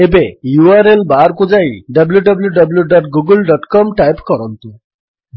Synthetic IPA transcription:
ebejuaɾelbaɾkud͡ʒajɖɐbljuɖɔbljuɖʌbljuɖɔʈɡuɡulɖɔʈkɔmʈajpkɔɾɔnt̪u

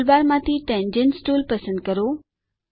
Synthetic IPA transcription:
lbaːɾmãːt̪ʰiʈɛ̃ːnd͡ʑə̃nsʈuːlpɐsə̃nd̪̚kɐɾoː

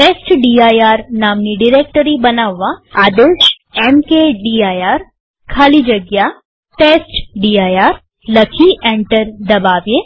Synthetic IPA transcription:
ʈeːsʈɖiːaːjaːɾnaːmniɖɪɾeːk̚ʈəɾibɐnaːʋːaaːd̪eːʃ | ɛmkeɖiːaːjaːɾ | kʰaːlid͡ʒɐɡja | ʈeːsʈɖiːaːjaːɾ | ləkʰiʔẽːɳʈəɾd̪ɐbaːʋjeː

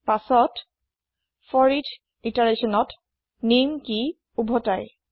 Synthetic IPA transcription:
pasɔt | fɔɹitʰ | itaɹesɔnɔt | nimki | ubʱɔtaj

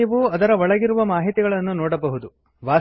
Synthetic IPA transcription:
ɐʋuɐd̪ɐɾɐʋɔɭɐɡiɾuʋɐmaːɦit̪iɡɐɭɐnːunɔːɽɐbɐɦud̪u | ʋaː

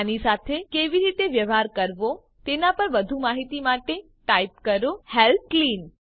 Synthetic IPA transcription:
anisat̪ʰekeʋiɾit̪eʋjəʋɦaɾkəɾʋo | t̪enapəɾʋəd̪ʱumaɦit̪imaʈe | ʈaip̚kəɾohelklin

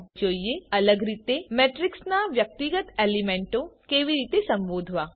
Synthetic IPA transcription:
d͡ʒoːijeɐləɡɾiːt̪emeːʈɾɪksnaʋjək̚t̪iɡət̪eːlimẽːɳʈõkeːʋiɾiːt̪esɐ̃mboːd̪ʱʋaː

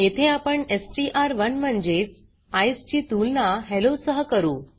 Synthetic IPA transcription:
jet̪ʰeapəɳesʈiʔaɾʋənm̤əɳd͡ʑet͡s | ajst͡ɕiːt̪ulnaɦelosəɦəkəɾuː

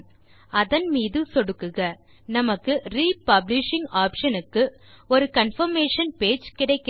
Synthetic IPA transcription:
ɐðɐnmiːðɯsɔɽɯkːɯɣɐ | nɐmɐkːɯɾiːpɐblɪʂɪŋaːpʂɐnɯkːɯ | ɔɾɯkɐnfɐɾmeːʂɐnpeːd͡ʒkɪɽɐɪkː

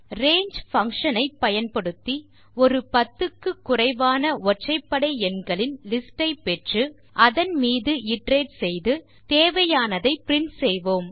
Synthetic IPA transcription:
reːɲd͡ʒfɐŋkʂɐnɐɪpːɐjɐnpɐɽɯt̪ːi | ɔɾɯpɐt̪ːɯkːɯkːʊrɐɪʋaːnɐɔʈrɐɪpːɐɽɐɪɛnɡɐɭɪnlɪsʈɐɪpːɛʈrɯ | ʔɐðɐnmiːðɯɪʈreːʈsɛjðɯ | t̪eːʋɐjaːnɐðɐɪpɾɪɳsɛjʋoːm

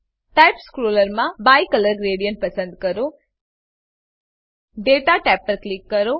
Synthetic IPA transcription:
ʈajpskɾoːləɾmãbajkələɾɡɾeːɽijəɳʈ̚pəsə̃nd̪kəɾo | ɖeʈaʈɛpːəɾklikːəɾo

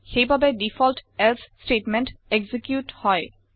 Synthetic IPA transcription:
xejbʱabedifʰɔlʈɛlssʈeʈmẽnʈeɡzikjuʈhɔj

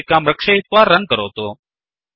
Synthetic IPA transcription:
kːaːmɾəkʃaːɪt̪ʋaːɾːə̃ŋɡ̚kəɾo̰ːt̪oː

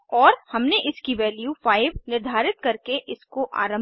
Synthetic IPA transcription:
ɔːɾhɐmneʔɪskiʋɛːljufaːɪʋnɪɾd̪ʱaːɾɪt̪̚kɐɾkeʔɪskoʔa̰ːɾə̃m

